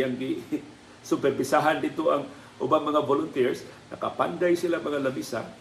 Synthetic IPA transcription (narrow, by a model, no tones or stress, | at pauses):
aŋɡɪ | sʊpɛɾbɪsaɦand̪ɪd̪t̪oʔaŋ | ʔʊbaŋmɐŋabolʊnt̪ɛɹs | nɐkapa̰nd̪ajsilaŋmɐŋalɐbisa̰